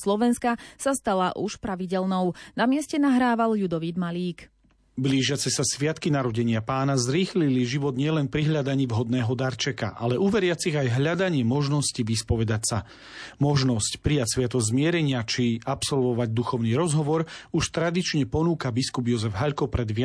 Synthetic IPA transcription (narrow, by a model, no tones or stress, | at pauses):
slɔʋɛnskasast̪alaʔuʃpɾaʋiɟɛlnɔʊnamɪɛscɛnaɦɾaːʋalʎud̪ɔʋiːd̪maliːk | bliːʒɪat͡sɛsasʋɪat̪kinaɾɔɟɛɲɪapaːnazɾiːxliliʒiʋɔd̪ɲɪɛlɛnpɾiɦʎad̪aɲiːvɦɔd̪nɛːɦɔd̪aɾt͡ʃɛka̰ʔa̰lɛʔuːʋɛɾɪat͡siɣajɦʎad̪aɲɪɛmɔʒnɔsciʋispɔʋɛd̪acsa | mɔʒnɔscpɾijacsʋɪat̪ɔzmɪɛɾɛɲɪat͡ʃiapsɔlʋɔʋaɟd̪uxɔʊniːɾɔzɦɔʋɔɾuʃt̪ɾad̪it͡ʃɲɛpɔnuːkabiskubjɔzɛvɦaʎkɔpɾɛd̪ʋɪ